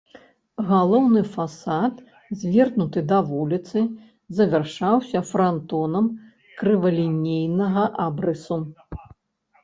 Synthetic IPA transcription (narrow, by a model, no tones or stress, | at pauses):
ɣalˠɔwnɨfasat̪ | zʲvʲɛrnut̪ɨd̪ɐvulʲit̪sɨ | zɐvʲɛrʂawsʲɐfɾant̪ɔnɐm | kɾɨvɐlʲinʲejnɐɣɐʔabɾɨsu